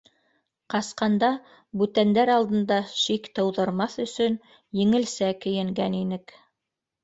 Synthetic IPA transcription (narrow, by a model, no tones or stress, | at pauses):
qɑsqɑnd̪ɑ | bʉt̪ænd̪æɾɑlˠd̪ɤ̆nd̪ɑʃikt̪ɤ̆wðɤ̆ɾmɑθɵ̆sɵn | jɘ̆ŋɘ̆lsækɘ̆jɘ̆ŋɡæninɘk